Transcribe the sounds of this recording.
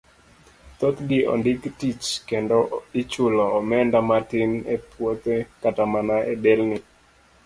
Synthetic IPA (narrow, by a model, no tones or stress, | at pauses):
t̪ot̪diʔɔ̰ndɪktit͡ʃkendɔit͡ʃʊlɔːmɛndamatɪnepwot̪ekatamanaʔedɛlnɪ